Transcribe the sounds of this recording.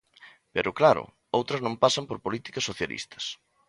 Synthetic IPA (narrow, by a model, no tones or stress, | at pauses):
peɾʊklaɾʊ̰ | owt̪ɾɐznõmpasɐmpoɾpolit̪i̥kɐsːoθjalʔḭst̪ʰɐ̥s